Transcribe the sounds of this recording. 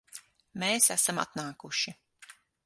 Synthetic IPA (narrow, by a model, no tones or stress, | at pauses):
meːsæsama̰t̪naːkuʃi